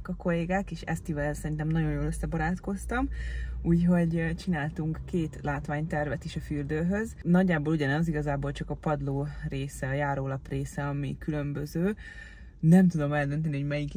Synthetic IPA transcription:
kɒko̞leːɡaːkeːʃɛ̰st̪ivɛllsɛɾint̪ɛmnɒɟo̞jjoːløsːɛbɒɾaːt̪ko̞st̪ɒmuːcɦo̞ɟt͡ʃinaːlt̪uŋkːeːt̪laːt̪ʋaːɲt̪ɛrvɛt̪iʃɒfyrd̪øːɦøznɒɟːaːboːluɟɒnɒziɡɒzaːboːlt͡ʃɒkɒpɒd̪loːreːsɛɒjaːɾoːlɒpreːsɛɒmḭkylø̞mbøzøː | nɛmt̪ud̪o̞mɛld̪ø̞nt̪̬ɛniɦoɟmɛjik

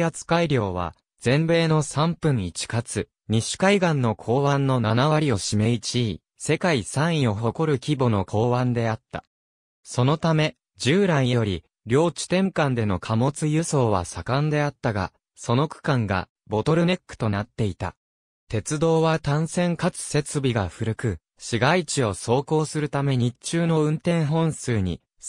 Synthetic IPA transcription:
at͡sɨ̥kaiɾʲo̞ːβa̰ | d͡z̥ẽ̞mbe̞ːno̞sãmpɯ̟̃ɲ̟it͡ɕi̥kat͡sɨ | ɲ̟iɕi̥kaiɡãnːo̞kʰo̞ːβãnːo̞nanaβaɾʲio̞ɕime̞it͡ɕiː | se̞kaisãɰ̃ĩo̞ɦo̞ko̞ɾɯ̟kʲibo̞no̞kʰo̞ːβãnd̪e̞at̪ːa̰ | so̞no̞t̪ame̞ | d͡ʑɨːɾãɰ̃jejo̞ɾʲi | ɾʲjo̞ːt͡ɕi̥t̪ẽ̞ŋkãnd̪e̞no̞kʰamo̞t͡sɨjɯso̞ːβa̰sakãnd̪e̞at̪ːaɡa̰ | so̞no̞kɯ̥kãŋɡa̰ | bo̞t̪o̞ɾɯ̟nekːɯ̟̥t̪o̞nat̪ːe̞it̪a̰ | t̪e̞t͡sɨd̪o̞ːβat̪ãɰ̃sẽ̞ŋkat͡sɨ̥se̞t͡sɨbʲiɡaɸɯ̟ɾɯ̟kɯ̟ | ɕiɡait͡ɕio̞so̞ːko̞ːsɨɾɯ̟t̪ame̞ɲ̟it͡ɕɨːno̞ɯ̟̃nt̪ẽ̞ɰ̃ɦõ̞ɰ̃sɨːɲ̟ḭ

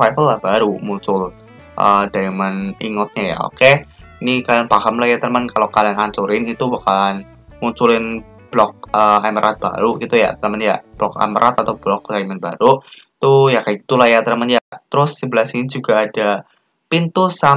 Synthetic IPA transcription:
ajfəlːahbaɾumuɲt͡ʃʊl | ʔə̰daimanḭŋɔt̪̚ɲaja̰o̰ke | inikalanpaɦəmlajat̪ərmənkalokalanaɲt͡ʃuɾɪnit̪ubakalan | muɲt͡ʃulɪn | b̥lɔk̚əaməɾʔat̪̚b̥a̰ɾuɡit̪uja̰t̪əɾəmənja̰ʔb̥lɔk̚a̰məɾʔat̪at̪awblɔk̚d̥aimənba̰ɾu | t̪ujakaɡit̪ulajat̪ərmənjat̪əɾʊsːibəlasinid͡ʒuɡaːda | pint̪usa

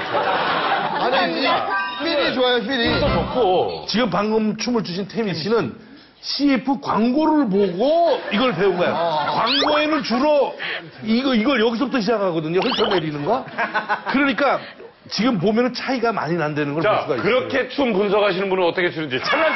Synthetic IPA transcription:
aɲi | miɲit͡ɕoajas̬ʰiɾisot͡ɕok͈ot͡ɕiɡɯmpaŋɡɯmt͡ɕʰumɯɭt͡ɕuɕʰintʰemiɕʰinɯn | ɕʰiepʰɯkwaŋɡoɾɯɭp̬oɡoiɡʌɭp̬e̞uŋɡajokwaŋɡoenɯɭt͡ɕuɾʌ | iɡʌiɡʌɭjʌɡis̬ʰʌp̚t͈ʰoɕ̬ʰid͡ʑakʰaɡʌdɯɲoɦʰeɭt͈ʌnːeɾinɯnɡakɯɾʌɲik͈a | t͡ɕiɡɯmp̬omjʌnɯnt͡ɕʰaiɡama̰ɲinandwe̞nɯnɡʌɭaos͈uɡaikɯɾʌkʰe̞t͡ɕʰumpuns̬ʰʌkaɕʰinɯnbunɯnʌt͈ʌkʰet͡ɕʰuɾɯnd͡ʑit͡ɕʰanːa

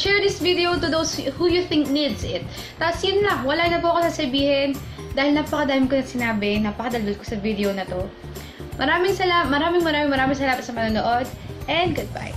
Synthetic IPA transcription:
ʃɛɹd̪ɪsvɪd̪ɛowt̪ʊðowshujʊθɪ̃ŋk̚nid̪sɪt̪̚ | t̪ːapsjʊnlɐwɐlaːnɐpuɐkosasɐbiːhɛn | d̪aːhɪlnɐpɐkɐd̪aːjɪmkonɐsɪnaːbɛnɐpɐkɐd̪ɐld̪ʊd̪kosɐvid̪ɛonɐt̪o̞ | mʔɐɾaːmɪŋsɐlat̚mɐɾaːmɪŋmɐɾaːmɪŋmɐɾaːmɪŋs̬ɐlaːmɐt̪sɐmɐnoːnoʔod̪ʔɛnd̪̚ɡʊd̪̚ba̰j

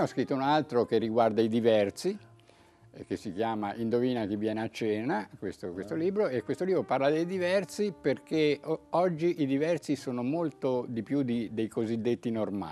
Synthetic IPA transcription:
ɔskɾit̪ːounalt̪ɾokerːiɡward̪aid̪ivɛrt̪si | kesːik̟jaːmaʔind̪oviːnak̟evːjɛːneat͡ʃːɛːnakwest̪okwest̪oliːbɾoekwest̪oliːbɾoparlad̪ejd̪ivɛrt̪siperkeɔd͡ʒːiʔid̪ivɛrt̪sisoːnomolt̪od̪ipjud̪id̪ejkozid̪ːet̪ːinorma̰

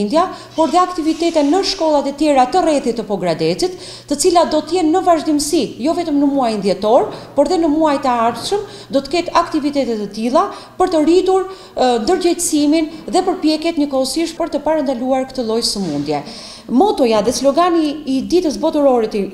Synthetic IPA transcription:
nd̪ja | pɔɾðɛakt̪ivit̪ɛt̪ɛnːəʃkɔlˠat̪ɛt̪jɛɾat̪ərɛθit̪ːəpɔɡɾad̪ɛtit̪ː | ət͡silat̪̚d̪ɔt̪əjɛnːəvaʒd̪imsijɔvɛt̪əmnəmuajnd̪jɛt̪ɔɾpɔɾðɛnəmuajt̪əaɾt̪ʃəm | d̪ɔt̪ə̥kɛt̪akt̪ivit̪ɛt̪ɛt̪ət̪ilˠa | pəɾt̪ərit̪uɾ | nd̪əɾd͡ʑɛjt̪əsiminðɛpəɾpjɛkjɛt̪ɲəkɔɔsiʃpəɾt̪əpaɾand̪aluaɾkt̪əlˠɔjsəmund̪jɛ | mɔt̪ɔjaðɛslɔɡaniːd̪it̪əsbɔt̪uɾɔɾit̪

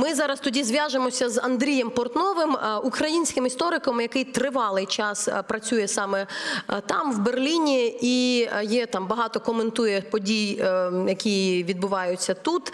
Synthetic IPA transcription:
mɪzɑɾɐst̪ʊdʲizʲʋʲjaʒemɔsʲɐzɐnd̪ɾʲijɛmpɔrt̪nɔʋɪmukɾɐjinʲsʲkɪmist̪ɔɾɪkɔmjɐkɪjt̪ɾɪʋɑlˠɪjt͡ʃɑspɾɐt͡sʲujɛsɑmɛt̪ɑmwberlʲinʲiijɛt̪ɑmbɐɦɑt̪ɔkɔment̪ujɛpɔdʲijjɐkʲijiʋʲid̪̚bʊʋɑjʊt͡sʲːɐt̪ut̪

